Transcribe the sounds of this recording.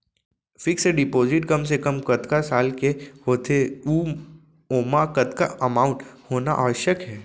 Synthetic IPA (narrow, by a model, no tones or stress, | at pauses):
fɪkseɖɪpoːzɪʈkɐmsekəmkɐt̪kasaːlkehoːt̪ʰeuː | oːmakət̪ka̰ɐmaːʊ̃ɳʈhoːna̰ʔaʋəʃəkɦɛː